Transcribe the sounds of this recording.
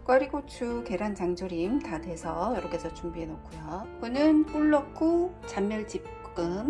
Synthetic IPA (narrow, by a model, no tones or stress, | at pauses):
k͈wʌɾiɡot͡ɕʰuke̞ɾant͡ɕaŋd͡ʑoɾimtadwe̞sʰʌjʌɾʌk͈ʰesʰʌt͡ɕuŋbiɦe̞nokʰujokɯnɯnk͈uɭːʌk͈ʰu | t͡ɕamːjʌɭt͡ɕip̚ | k͈ɯm